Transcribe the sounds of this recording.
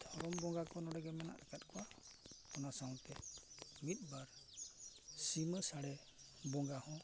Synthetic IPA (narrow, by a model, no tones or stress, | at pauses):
t̪ʰɔɾɔmbɔŋɡakɔnɔɽɛɡɛmana̰ʔakat̪̚kʰɔwapɔnasawkɛmit̪̚baɾ | siməsaɽɛ | bɔŋɡahɔ̃